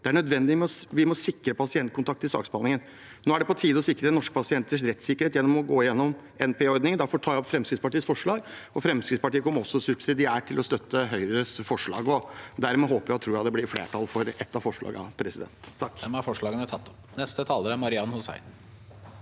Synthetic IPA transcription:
d̪ɛæɳœd̪ʋɛnd̪ɪmɛɔʋɪmɔsɪkːɾəpʰɑsɪɛnt̪kʊnt̪ɑk̚t̪ːɪlsɑ̰ːɡspɑlɪŋən | noːæɖɛpɔt̪ʰiːd̪ɔsɪkːɾənɔʂkə̥pɑsɪɛnt̪əʂɾɛt̪ːsɪkːəɾheːt̪jɛnːɔmɔɡoːɪjɛnːɔm | ɛnpʰeːɔɾd̪nɪŋənæɾfɔʈʰɑːjæɔpfɾɛmskɾɪd̪spɑʈiːəsfɔʂɭɑːɡɔfɾɛmskɾɪd̪spɑʈiːəkʰɔmːəɾɔsːɔsʉbsɪd̪ɪæːʈʰɪlɔst̪œt̪ːəɦœʏɾəɾəfɔʂɭɑ̰ːɡɔd̪æɾmɛɦoːpəɾjæɪt̪ʰɾuːjæɑd̪ɛblɪɾflḛːʈʰɑlfɔɾɛt̪ːɑʋfɔʂɭɑ̰ːɡəɑ̰pʰɾɛsɪd̪ɛ̰nt̪ʰːɑkːɛmæfɔʂɭɑːɡənət̪ʰɑt̪ːɔ̥pnɛst̪ət̪ʰɑːləɾæmɑɾɪɑnhʊsæ̰ɪn

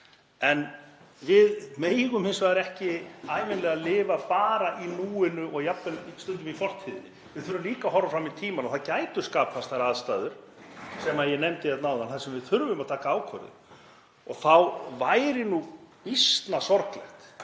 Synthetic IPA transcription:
ɛn | vɪðmeːjɣʏmhɪnsvaðɾɛhcɪaːjvɪnlɛɣalɪːvapaːɾaʔinuːɪnʏʔɔɣjapːɛlst̪ʏnt̪ʏmifɔr̥t̪ʰiðɪnːɪ | vɪðθʏɾvʏmliːkaɦɔrːafɾamiðt̪ʰiːmanɔθacaːjt̪ʏ̥skaːpʰast̪θajɾaːðst̪a̰ːðʏɾ̥ | sɛmaðjɛnejmt̪ɪjɛt̪naːwðanθasɛmvɪðθʏɾvʏmaðt̪ʰaːkaaːwkʰœ̰ɾðɪ̰ | ɔɣθawvaːjɾɪnuist̪nasɔɾt̪lɛxt̪

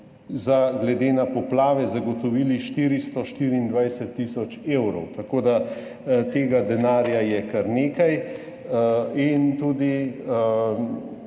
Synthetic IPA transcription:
zaɡlɛd̪eːnapɔplaːʋɛzaɡɔt̪ɔʋiːliʃt̪iːɾist̪ɔʃt̪iɾiːnd̪ʋajsɛt̪ːisɔt͡ʃeːwɾɔwt̪akoːd̪a | t̪eːɡad̪ɛnaːɾjajɛkaɾneːkaj | int̪uːd̪i

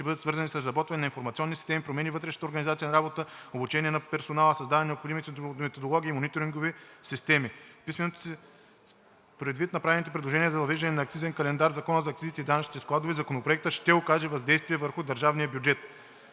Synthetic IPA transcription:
ʃt̪ɛbɤd̪ət̪svɤɾzɐnisɐszɾɐbɔt̪vɐnɛnɐinfoɾmɐt̪iɔnːisist̪ɛmipɾomɛnivɤt̪ɾɛʃnə̥t̪oɾɡənizat̪sijənɐɾabot̪əobut͡ʃɛniɛnɐpɛɾsonalˠəsɐzd̪ad̪ɛnɛnɛopxod̪imit̪mɛt̪od̪olˠɔɡʲiːmonit̪oɾiŋɡovisist̪ɛmipismɛnot̪o̥sɛ | pɾɛd̪vit̪nɐpɾavɛnit̪ɛp̬ɾɛd̪lˠoʒɛniəzɐvɐvɛʒd̪ɐnɛnɐːkt̪izɛnkɐlɛnd̪aɾzɐkɔnəzɐːkt̪izit̪ɛid̪anɐt͡ʃnit̪ɛsklˠad̪ovizɐkonopɾoɛk̚t̪əʃt̪ɛokaʒɛvɐzd̪ɛjst̪viɛvəɾxʊd̪ɐɾʒavnijəbjud͡ʒɛt̪

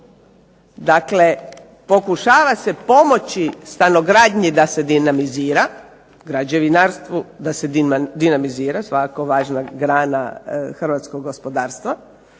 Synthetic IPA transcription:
d̪akle̞ | po̞kuʃaːʋase̞po̞mo̞t͡ɕist̪ano̞ɡɾaːd̪ɲid̪ase̞d̪inamiziːɾa | ɡɾad͡ʒeʋinaɾst̪ʋud̪ased̪inamiziːɾasʋakakoʋaːʒnaɡɾaːna̰xrʋat̪skoɡːospo̞d̪aːɾst̪ʋa

